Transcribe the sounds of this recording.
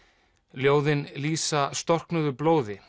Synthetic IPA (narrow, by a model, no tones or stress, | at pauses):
ljoːwðɪnliːsast̪ɔr̥knʏðʏploːwðɪ